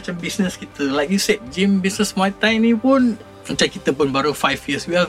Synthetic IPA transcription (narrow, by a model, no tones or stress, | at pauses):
t͡ʃambisnəskit̪əlajkjusɛt̪̚d͡ʒimbisnəsmat̪ajnĩpʊn | ət͡ʃankit̪əpʊnbaɾufajfjəswiɛ